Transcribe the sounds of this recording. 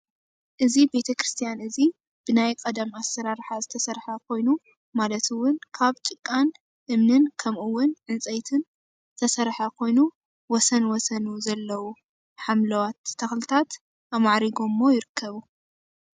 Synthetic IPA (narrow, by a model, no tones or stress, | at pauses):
ʔɨzibe̞t̪ʰɐkɾɨst̪ʰijanʔɨzi | b̥ɨnajkʼɐd̪amasːɐɾaɾħazɨt̪ʰɐsɐɾħakʰo̞jnu | malɐt̪ʰɨwʊnkʰaβt͡ʃʼɨkʼːan | ʔɨmnɨnkʰɐmʔɨwːʊnʕɨnt͡sʼɐjt̪ʰɨn | zɨt̪ʰɐsɐɾħakʰo̞jnu | wɔsɐnwɔsɐnuzɐlːɐwu | ħamlɐwat̪ʰːɐxlɨt̪ʰat̪ | ʔamaʕɾiɡomːo̞jɪɾɨkʰːɐβu